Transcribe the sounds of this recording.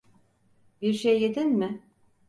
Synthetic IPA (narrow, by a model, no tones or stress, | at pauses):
biɾʃejːed̪ɛnmɪ